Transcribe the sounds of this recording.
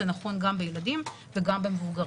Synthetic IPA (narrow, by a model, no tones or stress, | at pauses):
enaχo̞nɡambejeladim | veɡambemevuɡɐʁ